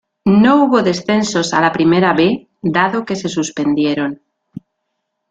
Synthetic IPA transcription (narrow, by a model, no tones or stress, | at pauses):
nouβo̞ðe̞sθe̞nso̞sa̰lapɾimeɾaβe | d̪aðoke̞se̞suspe̞nd̪je̞ɾo̞n